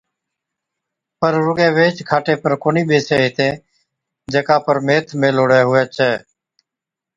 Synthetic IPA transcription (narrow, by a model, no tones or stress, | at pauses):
pəɾɾʊɡẽːʋeːt͡ʃkʰaːʈeːpəɾkoːniːɓeːseːɦɪt̪ẽː | d͡ʒeːkãːpəɾmeːt̪ʰmẽːloːɽeːɦʊɛːt͡ʃʰɛː